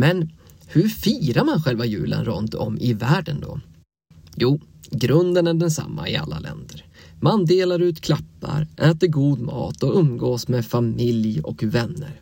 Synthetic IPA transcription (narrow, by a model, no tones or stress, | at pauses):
mɛn | hɵɾfiːɾaɾmanɧɛlvajʉ̟̰ːlə̰nɾɵnt̪ɔmːɪvæːɖənd̪ɔ̰ | juː | ɡɾɵnd̪ənæɖɛnsa̰mːaɪa̰lːalɛ̰nd̪əɾ | mand̪eːlaɾʉ̟ːt̪kʰlapːa̰ɾʔɛːt̪əɾɡuːd̪mɑ̰ːt̪ɔɵmɡoːsmefamɪljɔ̰kvɛnːəɾ